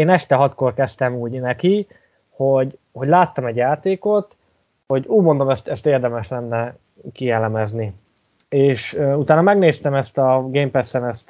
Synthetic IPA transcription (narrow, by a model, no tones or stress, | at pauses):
eːnɛʃt̪ɛɦɒt̪korkɛst̪ɛmuːɟnɛki | ho̞ɟ | ho̞ɟʲlaːt̪ːɒmɛɟjaːt̪eːko̞t̪ | ho̞ɟuːɟmo̞nd̪o̞mɛst̪ɛst̪eːrd̪ɛmɛʃlɛnːɛ | kiɛlɛmɛzni | eːʃut̪aːnɒmɛɡneːst̪ɛmɛst̪ɒɡeːmpɛsːɛnɛst̪